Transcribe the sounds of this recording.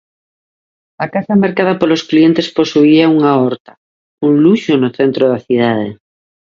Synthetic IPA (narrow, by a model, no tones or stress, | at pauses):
akasamaɾkað̞apolosklient̪esposuiauŋaɔɾt̪ḁ | uŋluʃonoθent̪ɾoðaθiðað̞e